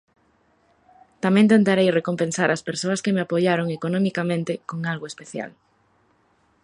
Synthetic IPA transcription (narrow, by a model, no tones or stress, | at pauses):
t̪amẽnt̪ent̪aɾejrekompẽnsaɾʔaspeɾsoɐskemeapoʎaɾoŋekonõmikamẽnt̪ekoŋalɣoespeθja̰l